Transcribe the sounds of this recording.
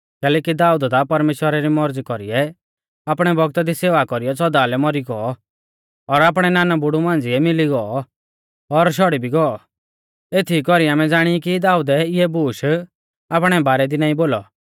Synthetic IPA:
kɛːlɛːkid̪aːud̪d̪apɐɾmeːʃwəɾaɾimɔɾd͡zkɔɾḭɛ | apɽ̃ɛbɔɡt̪ad̪iseːʋakɔɾijɔt͡sɔd̪alɛmɔɾiɡɔɔ | ɔɾaːp̬ɽ̃ɛnaːnabʊɽumãːnd͡ziɛmɪliɡɔɔ | ɔɾʃ̬ɔɽibʱiɡɔɔ | et̪ʰikɔɾiaːmɛ̃d͡zaːɽ̃iikid̪aːud̪ɛɪɛbuːʃ | aːp̬ɽ̃ɛbaːɾɛd̪inãːĩboːlɔ̰

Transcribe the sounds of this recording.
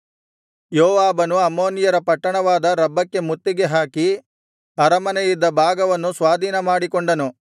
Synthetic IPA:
joːʋaːbɐnuɐmoːnijɐɾɐpɐʈːɐɳɐʋaːd̪ɐɾɐbːɐkːe̞mut̪ːiɡe̞ɦaːki | ɐɾɐmɐnejid̪ːɐbʱaːɡɐʋɐnːusʋaːd̪ʱiːnɐmaːɽikoɳɖɐnu

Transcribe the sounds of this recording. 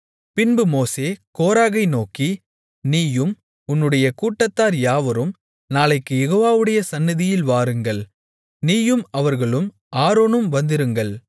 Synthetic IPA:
pɪnbɯmoːseːkoːɾaːɣɐɪnoːki | niːjɯm | ʊnːɯɽɐjɐkuːʈːɐt̪ːaːɾjaːʋɐɾɯm | naːlɐɪkːɯjɛɣoːʋaːʋɯɽɐjɐsɐnːɪðɪjɪlʋaːɾɯŋɡɐɭ | niːjɯmɐʋɐɾɣɐɭɯm | ʔaːɾoːnɯmʋɐnd̪ɪɾɯŋɡɐɭ

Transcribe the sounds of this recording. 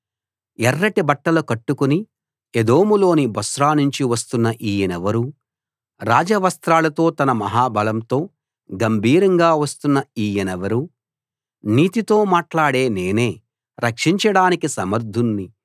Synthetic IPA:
ɛrːɐʈibɐʈːɐlɐkɐʈːukuni | ed̪oːmulo̞ːnibɐsɾaːnuɲt͡ʃiʋɐst̪unːɐʔiːjɐnɛʋɐɾu | ɾaːd͡ʒɐʋɐst̪ɾaːlɐt̪o̞ːt̪ɐnɐmɐɦaːbɐlɐmt̪o̞ː | ɡɐmbʱiːɾɐŋɡaːʋɐst̪unːɐiːjɐnɛʋɐɾu | niːt̪it̪o̞ːmaːʈlaːɽe̞ːneːne̞ː | ɾɐkʂiɲt͡ʃɐɽaːnikisɐmɐɾd̪ʱunːi

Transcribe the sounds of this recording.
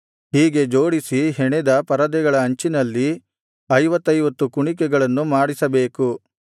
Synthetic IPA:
hiːɡe̞d͡ʒo̞ːɽisiɦeɳed̪ɐpɐɾɐd̪ɛɡɐɭɐːɲt͡ʃinɐlːi | ɐjʋɐt̪ːɐjʋɐt̪ːukuɳikɛɡɐɭɐnːumaːɽisɐbe̞ːku

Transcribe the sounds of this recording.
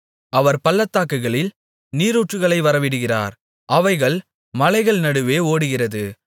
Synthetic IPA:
ɐʋɐɾpɐlːɐt̪ːaːkːɯɣɐɭɪl | niːɾuːʈrɯɣɐɭɐɪʋɐɾɐʋɪɽɯɣɪra̰ːɾ | ʔɐʋɐɪɣɐɭ | mɐlɐɪɣɐɭnɐɽɯʋeːoːɽɯɣɪrɐðɯ

